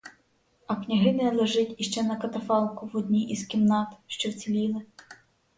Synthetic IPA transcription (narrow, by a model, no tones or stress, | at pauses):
ɐknʲɐɦɪmʲɪnɐlˠɛʒɪtʲiʃt͡ʃɛnɐkɐt̪ɐfɑlˠkʊwɔd̪ʲnʲiʔizkʲimnɑt̪ʃt͡ʃɔwt͡sʲilʲilˠɪ